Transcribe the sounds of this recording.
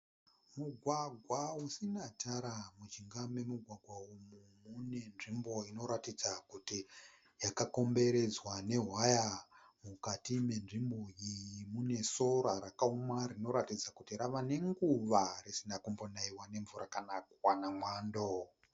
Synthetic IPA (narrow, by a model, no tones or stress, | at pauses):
muɡʱwaɡʱwausinatʰaɾamud͡ʒiŋɡame̞muɡʱwaɡʱwaumumune̞nʐimbo̞ino̞ɾatid͡zakuti | jakako̞mbe̞ɾe̞d͡zwane̞ɦwaja | mukatime̞nʐimboijimune̞so̞ɾaɾakaumarino̞ɾatid͡zakutiɾaʋane̞ŋɡuʋarisindakumbonaiwane̞ɱvuɾakanakwanamwaːndo